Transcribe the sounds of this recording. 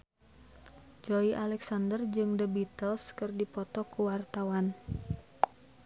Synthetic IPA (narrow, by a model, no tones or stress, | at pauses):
d͡ʒoiʔalɛksandərd͡ʒɨŋdəbit̪əlskɨrdipɔt̪ɔkuwart̪awan